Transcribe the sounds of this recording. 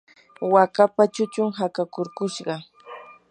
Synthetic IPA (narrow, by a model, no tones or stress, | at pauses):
wakapat͡ʃʊt͡ʃʊŋɦakakoɾkʊʃɢɑ